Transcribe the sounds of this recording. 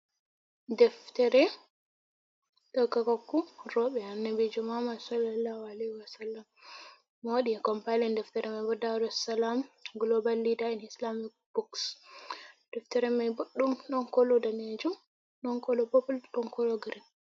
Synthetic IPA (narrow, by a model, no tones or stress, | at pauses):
dɛftɛɾɛ | ɗɔkːakakːuɾɔɓɛanːabid͡ʒɔmamadsɔlalahualɛhiwasalːamː | waɗiɛkɔmpajlɛndɛftɛɾɛmajbɔdaɾɔsalamɡlɔbalːidainislamik̚b̥uks | d̥ɛftɛɾɛmajboɗːumɗɔnkɔlɔdaned͡ʒum | ɗɔŋkɔlɔbɔpulɗɔnkɔlɔɡɾin